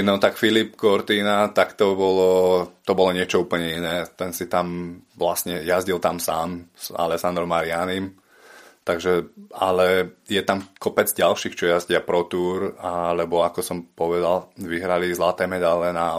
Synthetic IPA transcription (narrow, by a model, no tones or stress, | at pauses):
nɔt̪akfilipkɔɾt̪iːnat̪akt̪ɔbɔlɔt̪ɔbɔlɔɲɪɛt͡ʃɔuːpl̩ɲɛinɛːt̪ɛnsit̪amʋlasɲɛjazɟilt̪amsaːmsa̰lɛsand̪ɾɔmaɾɪanim | t̪aɡʒɛa̰lɛjɛt̪amkɔpɛd͡zɟalʃiːxt͡ʃɔjazɟɪapɾɔt̪uːɾalɛbɔakɔsɔmpɔʋɛd̪alʋiɦɾalizlat̪ɛːmɛd̪alɛna